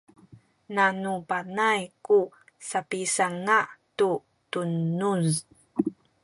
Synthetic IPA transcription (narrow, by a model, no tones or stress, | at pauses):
nanupanajku | sapisaŋatu | tunuz